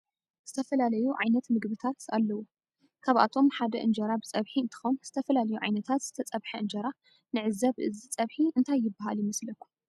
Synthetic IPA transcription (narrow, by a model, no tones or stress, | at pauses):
z̥ɨt̪ʰɐfɐlalɐjuʕajnɐt̪mɨɡbɨt̪ʰat̪alːɐwu | kʰaβʔa̰t̪ʰo̞mħad̪ɐʔɨnd͡ʒɐɾabɨt͡sʼɐβħiɨnt̪ʰɨ̥xonz̥ɨt̪ʰɐfɐlalɐjuʕa̰jnɐt̪ʰat̪z̥ɨt̪ʰɐt͡sʼɐβħɐʔɨnd͡ʒɐɾa | nɨʕɨzɐβʔɨzit͡sʼɐβħiʔɨnt̪ʰajːɪbːaɦaljɪmɐslɐkʰːu̥